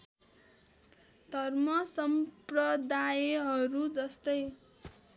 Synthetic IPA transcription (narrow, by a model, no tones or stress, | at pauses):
d̪ʱʌrmʌsʌmprʌd̪ajeɦʌɾud͡zʌst̪ʌj